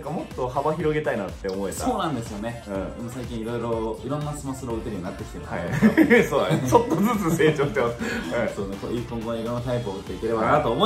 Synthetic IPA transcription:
nãŋkamo̞t̪ːo̞habaçiɾo̞ɡe̞t̪ainat̪ːe̞omo̞et̪a̰o̞ːnãnd̪e̞sɨjo̞ne̞ɯ̟̃ːɯ̃saikʲĩɰ̃iɾo̞iɾo̞iɾonːasɨmasɨɾoːɯt̪eɾʲiɲinat̪ːekʲi̥t̪emaaisoːnã̰d̪est͡ɕo̞t̪ːod͡zɨt͡sɨse̞ːt͡ɕo̞ːɕi̥t̪emasɨ̥ɯ̃soːnekoipːõŋɡoɲiɾõ̞nːat̪aipɯoɯt̪ːe̞ike̞ɾe̞banat̪oːmo

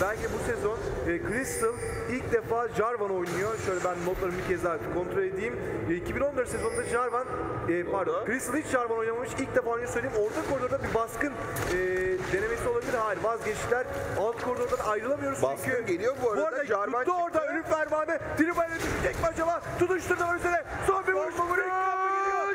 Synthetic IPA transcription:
bælʲcʰid̪ɛbusɛzo̞nːkʰɾist̪ʰɯlˠ | ilʲc̚d̪efaːd͡ʒaɾvano̞jnujoʃøjlʲɛbænːot̪lˠaɾɯmbicʰɛzlat̪kʰont̪ɾolʲed̪ijim | icʰibino̞nd̪øɾsezo̞nd̪ad͡ʒaɾvanɛːpaɾd̪okɾisɯlˠhit͡ʃʒaɾvano̞jnamamɯʃilʲc̚d̪efaːojnʲɛsøjlʲeimo̞ɾt̪ʰakʰo̞ɾd̪oɾd̪abibaskɯn | ɛːd̪e̞ne̞me̞siolˠabilʲiɾɦaːjiɾvazɟɛt͡ʃʃlʲæɾalˠt̪ɯ̥kʰoɾd̪oɾd̪ad̪aajɾɯlˠamɯjo̞ɾuz̥ykʰyelijobubuaɾad̪oɾd̪aølʲymfæɾmaːnɛd̪̥iɾibajned̪it̪ʰɛc̚bad͡ʒabat̪ʰud̪uʃt̪uɾd̪amakyze̞ɾɛsoːɾbioʃmalˠa

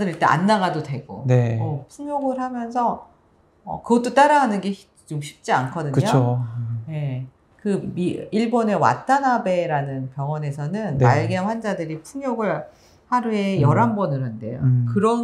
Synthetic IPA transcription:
dɯɾiɭt͈eʔa̰nːaɡadodwe̞ɡo̰neopʰuɲjoɡɯɭhamjʌnsʰʌ̰ː | kɯɡʌt͈ot͈aɾaɡanɯnɡe̞ɕi | t͡ɕomɕʰi̥p̚t͡ɕ͈iankʰʌdɯɲkɯt͡ɕooje̞ | kɯmiiɭbone̞wa̰t͈ʰanɦabe̞ɾanɯnpjʌŋʌne̞sʰʌnɯnma̰ɭɡjenɸwand͡ʑadɯɾipʰuŋjoɡɯɭ | haɾue̞jʌɾambʌnɯɾɦande̞̰jo̰kɯɾʌn

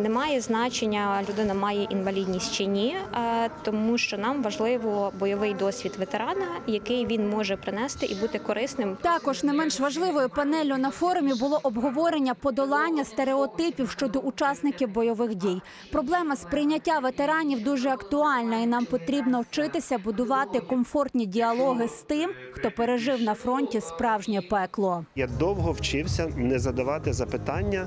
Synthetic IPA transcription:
nɛmɑjɛznɑt͡ʃenʲːɐlʲʊd̪ɪnɐmɑjɛʔinʋɐlʲidʲnʲisʲtʲt͡ʃɪnʲit̪ɔmuʃt͡ʃɔnɑmʋɐʒlˠɪʋɔbɔjɔʋɪjd̪ɔsʲʋʲid̪ʋet̪eɾɑnɐjɐkɪjʋʲinmɔʒɛpɾɪnɛst̪ɪʔibut̪ɪkɔɾɪsnɪmt̪ɑkɔʒnɐjmɛnʃʋɐʒlˠɪʋɔjʊpɐnɛlʲʊnɐfɔɾʊmʲibʊlˠɔʔɔbɦɔʋɔɾenʲːɐpɔd̪ɔlˠɑnʲːɐst̪eɾeɔt̪ɪpʲiwʃt͡ʃɔd̪ɔʔʊt͡ʃɑsnɪkʲiwbɔjɔʋɪxdʲij | pɾɔblˠɛmɐspɾɪjnʲɐtʲːaʋet̪eɾɑnʲiwd̪uʒɛɐkt̪ʊɑlʲnɐinɑmpɔt̪ɾʲibnɔwt͡ʃɪt̪ɪsʲɐbʊd̪ʊʋɑt̪ɪkɔmfɔrt̪ʲnʲidʲiɐlˠɔɦɪst̪ɪm | xt̪ɔpeɾeʒɪwnɐfɾɔnʲtʲispɾɑwʒnʲɐpɛklˠɔjad̪ɔwɦɔwt͡ʃɪwsʲɐnɛzɐd̪ɐʋɑt̪ɪzɐpɪt̪ɑnʲːɐ

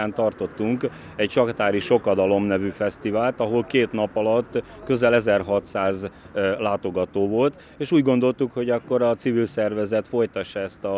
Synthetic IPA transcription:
aːnt̪ɒrt̪o̞t̪ːuŋk | ɛcʃɒkt̪aːɾiʃo̞kɒd̪ɒlo̞mnɛvyfɛst̪ivaːlt̪ɒɦo̞lkeːt̪nɒpɒlɒt̪ː | kø̞zɛlɛzɛrɦɒt̪saːzlaːt̪o̞ɡɒt̪oːvo̞lt̪ | eːʃuːɟɡo̞nd̪o̞lt̪ukho̞ɟɒkːo̞ɾɒt̪sivilsɛrvɛzɛt̪fo̞jt̪ɒʃːɒɛst̪ɒ

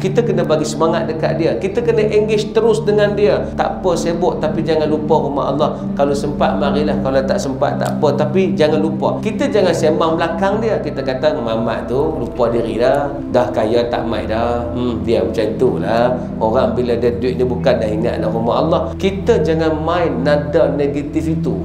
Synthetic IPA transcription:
kit̪əkənəbaɡisəmaŋat̪̚dəka̰ʔ̚diəkit̪əkənəʔiŋɡɪst̪əɾʊsdəŋandiət̪a̰ʔpəsebʊʔt̪apid͡ʒaŋanluparuma̰ɦɑ̰lːɑh | kalosəmpat̪̚maɾilahkalat̪aʔsəmpa̰t̪̚t̪a̰ʔpət̪apid͡ʒaŋanlupa̰kit̪əd͡ʒaŋansembaŋməlakaŋdiəkit̪əkat̪əmama̰ʔt̪ulupadiɾḭdah | dahkajat̪a̰ʔma̰jdah̩diəmət͡ʃait̪ulah | oɾaŋbiladədwiʔ̚nibukandaɦiŋa̰ʔ̪̚daruma̰ɦɑlːɑhkit̪əd͡ʒaŋanmajːadaneɡat̪ifit̪ṵ

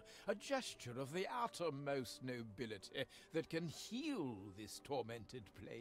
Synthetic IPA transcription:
ɨd͡ʒɛst͡ʃə˞ʌvðiʔaɾə˞moʊsnoʊbɪlˠɨɾi | ðɨt̚kɨ̃nhilˠðɪstʰɔɹmɛ̃ntʰɨd̚pʰl̥ḛɪ

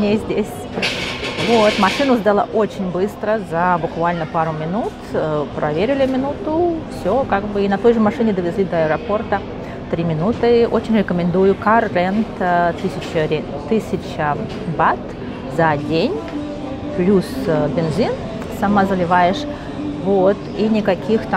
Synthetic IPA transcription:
nʲezʲdʲesʲ | vot̪mɐʂɨnʊzd̪alˠa̰ʔot͡ɕɪnʲbɨst̪ɾəzɐbʊkvalʲnəpaɾʊmʲɪnut̪pɾʔɐvʲeɾʲɪlʲɪmʲɪnut̪ʊfsʲokaɡbɨinɐt̪o̞jʐɨmɐʂɨnʲɪd̪əvʲɪzʲlʲid̪ɐɐɪɾɐpo̞rt̪ə | t̪ɾʲimʲɪnut̪ɨʔo̞t͡ɕɪnʲɾʲɪkəmʲɪnd̪ujʊkarːent̪ːɨsʲɪt͡ɕəɾʲ | t̪ːɨsʲɪt͡ɕə | bat̪ | zɐdʲenʲ | plʲusbʲɪnzʲin | sɐmazəlʲɪvajɪʂ | vot̪inʲɪkɐkʲʰixt̪

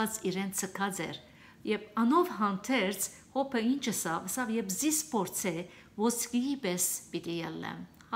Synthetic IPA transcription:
ɑt͡siɾɛnt͡sʰəkʰɑd͡zɛ̰ɾ | jɛpɑnɔvɦɑnt̪ʰɛɾt͡sʰ | hɔpʰəint͡ʃʰəsɑvəsɑvjɛbzispʰɔɾt͡sʰɛ | vɔt͡sʰkiibɛsb̥it̪ijɛlːɛ̰m

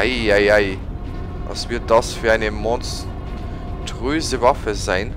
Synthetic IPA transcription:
aɪaɪaɪ | ɑ̰svɪɐt̚d̥ɑsfyːɐaɪnəmɔ̃ns | tʁøːzəvɑfəzaɪn

